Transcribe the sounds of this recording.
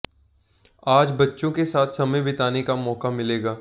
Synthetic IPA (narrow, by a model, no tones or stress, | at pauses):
aːd͡ʒbɐtːʃõkesaːt̪ʰsɐməjbɪt̪aːnekamɔːkamɪleːɡaː